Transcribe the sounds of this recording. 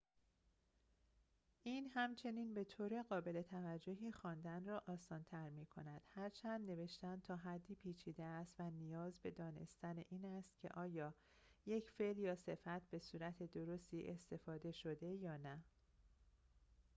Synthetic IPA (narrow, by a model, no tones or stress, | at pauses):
ʔiːnhæmt͡ʃʰe̞niːnbe̞t̪ʰoːɾeɣɒːbe̞le̞t̪ʰævæd͡ʒːo̞ɦiːxɒːnd̪ænrɒːʔɒːsɒːnt̪ʰæɾmiːkʰo̞̰næd̪̥hæɾt͡ʃʰænd̪ne̞ve̞ʃt̪æn̚t̪ʰɒːɦæd̪ːiːpʰiːt͡ʃʰiːd̪eæst̪vænijɒːzbe̞d̪ɒːne̞̰st̪æneʔiːnæst̪̚cʰe̞̰ʔɒːjɒː | je̞cfe̞ljɒːse̞fæt̪ʰbe̞suːɾæt̪ʰe̞d̪o̞ɾo̞st̪iːʔe̞st̪e̞fɒːd̪e̞ʃo̞d̪e̞jɒːnæ